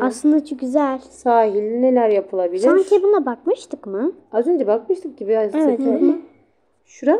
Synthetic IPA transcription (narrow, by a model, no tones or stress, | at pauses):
aslˠɯnd̪at͡ʃʰok̚ɡʲyzælʲsaːɦilʲine̞lʲæɾjapʰɯlˠabilʲɾaŋcʰʲebunabakmɯʃt̪ʰɯkmɯazø̞nd͡ʒɛbakmɯʃt̪ʰɯk̚cibiɾazeseɛt̪ːm | ʃuɾa